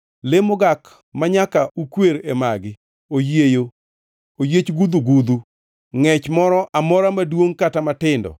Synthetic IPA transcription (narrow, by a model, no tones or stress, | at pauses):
lemoɡak | maɲakaukweɾemaɡɪ | ojejo | ojet͡ʃɡud̪uɡud̪u | ŋɛt͡ʃmɔɾɔʔamɔɾamadwoŋkatamatɪndɔ̰